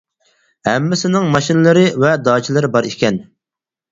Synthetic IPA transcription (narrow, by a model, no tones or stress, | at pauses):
hæmːɪsɪnɪŋmɑʃinɨlˠɨɾɪvɛd̪ɑːt͡ʃʰilˠɨɾɪbɑɾikʲɛn